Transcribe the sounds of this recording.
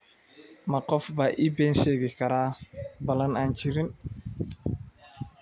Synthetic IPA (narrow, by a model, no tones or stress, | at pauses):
makɔfbaʔibɛnseɡikaɾabɐlanant͡ʃiɾin